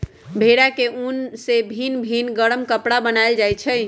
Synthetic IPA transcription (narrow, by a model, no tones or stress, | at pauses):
bʱeɾakeʔunsebʱinbʱinɡəɽəmkəpɽabənajld͡ʒajt͡ʃʰəj